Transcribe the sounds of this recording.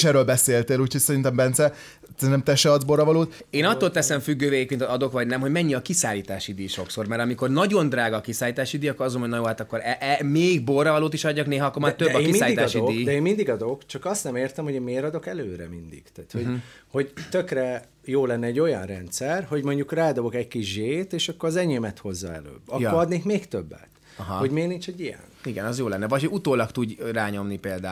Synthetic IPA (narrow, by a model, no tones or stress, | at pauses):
ʃɛɾːøːlbɛseːlt̪eːluːcʰho̞ɟ̥sɛɾint̪ɛmbɛnt̪sɛ | sɛɾinɛmt̪ɛʃɛɒd̪zborːɒvɒloːt̪ | eːnɒt̪ːoːlt̪ɛsɛɱfyɡːøːveːjikmint̪ɒd̪o̞kʋɒɟnɛmɦo̞ɟmɛɲːiɒkisaːliːt̪aːʃid̪iːʃo̞kso̞rmɛɾɒmiko̞rnɒɟo̞nd̪raːɡɒːkisaːliːt̪aːʃid̪iːjɒkːoɾɒzɡoojnjoːhaːt̪ɒkːo̞ɾɛʔɛmeːiɡ̚borːɒvɒloːt̪iʃɒɟːɒkneːɦɒɒkːormɒjt̪øbːɒkisaliit̪aːʃid̪id̪ɛeːmmind̪iɡɒd̪o̞kt͡ʃɒkɒst̪nɛmeːrt̪ɛmhoɟeːnmeːɾɒd̪o̞kɛløːɾɛ̰mind̪ḭɡ̥t̪aːt̪ho̞ɟ | ho̞ɟt̪økrɛ | joːlɛnːɛɛɟːo̞jɒ̰nrɛnt̪sɛrho̞ɟmo̞ɲɟukraːd̪o̞bo̞kɛɟkiʒʒeːt̪eːʃɒkːoɾɒzɛɲemɛt̪ho̞zːɒ̰ɛ̰lø̰ːbɒkːoɾɒd̪neːkmeːkt̪øbːɛ̰t̪ | ɒɦɒho̞ɟmeːɾnint͡ʃɛɟijɛ̰niɡɛnɒzjoːlɛnːɛvɒchout̪oːlɒkt̪uɟraːɲo̞mnipeːld̪aː